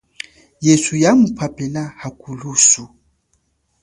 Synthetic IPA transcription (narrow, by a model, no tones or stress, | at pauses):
jɛsujamupʰapɛlahakulusu